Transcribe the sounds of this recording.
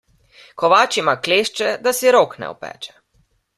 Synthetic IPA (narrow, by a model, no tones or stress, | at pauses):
kɔʋaːt͡ʃimakleːʃt͡ʃɛd̪asiɾoːknɛ̰ɔ̰pɛ̰ːt͡ʃɛ̥